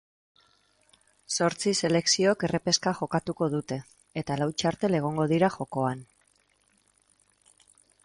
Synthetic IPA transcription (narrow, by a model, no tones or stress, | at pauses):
so̞ɾt͡sise̞le̞ksioke̞repe̞skaʝo̞kat̪uko̞ð̞ut̪e̞ː | t̪alawt͡ʃaɾt̪e̞le̞ɣ̞o̞ŋɡo̞ð̞iɾaxo̞ko̞an